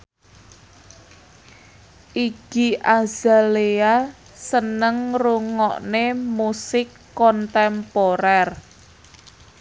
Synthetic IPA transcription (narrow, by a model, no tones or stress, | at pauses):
ʔiɡ̥iʔaz̥alea | sənəŋruŋɔ̰ʔnemusɪkːɔnt̪ɛmpoɾɛr